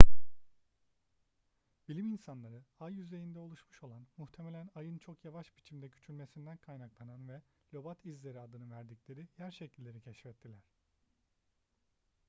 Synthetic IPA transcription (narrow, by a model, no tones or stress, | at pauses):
b̥ilʲiminsanlˠaɾɯajːyze̞jind̪ɛo̞lˠuʃmuʃo̞lˠanmuht̪ʰe̞melʲænajɯnt͡ʃʰo̞kjavaʃbit͡ʃʰimd̪ɛɟy̥t͡ʃʰylʲme̞sind̪ænkʰajnaklˠananvɛ | lʲo̞bat̪ʰizlʲe̞ɾiad̪ɯnɯvæɾd̪iclʲe̞ɾijæɾʃecʰilʲːe̞ɾicʰɛʃfɛt̪ʰːilʲæɾ̥